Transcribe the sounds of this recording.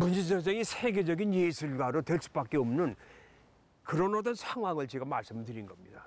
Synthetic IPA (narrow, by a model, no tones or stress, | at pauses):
mund͡ʑed͡ʑʌseŋisʰe̞ɡe̞d͡ʑʌɡinjesʰuɭɡaɾotwe̞ɭs͈u̥bak͈e̞ʌmnɯn | kɯɾʌnʌdʌnsʰaŋɦwaŋɯɭt͡ɕeɡamaɭs͈ɯmdɯɾinɡʌmɲid̥a